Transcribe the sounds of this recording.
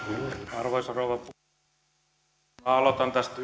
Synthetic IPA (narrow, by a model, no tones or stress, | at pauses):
ɑrʋoisɑrouʋɑp | æɑlot̪ɑnt̪æst̪